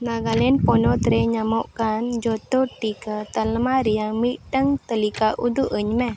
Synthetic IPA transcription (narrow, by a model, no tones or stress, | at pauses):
naɡalɛnpɔnɔt̪ɾɛɲamɔʔkand͡ʒɔt̪ɔʈikət̪ələmaɾijamiʔʈəŋt̪əlikaʔud̪uʔəɲmɛ